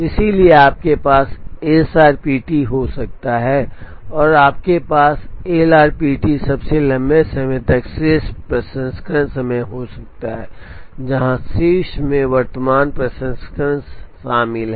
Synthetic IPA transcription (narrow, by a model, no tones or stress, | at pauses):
ɪsilieaːp̚kepaːseːsaːɾpiːʈiɦosɐk̚t̪aɦɛː | ɔːɾaːp̚kepaːseːlaːɾpiːʈisɐbselɐ̃mbesɐmə̃t̪ɐkseːspɾɐsə̃nskɾə̃nsɐmẽɦosɐk̚t̪aɦɛːd͡ʒɐɦãsiːʃmẽʋɐɾt̪əmaːnpɾɐsə̃nskəɾə̃nsʃaːmɪlɦɛ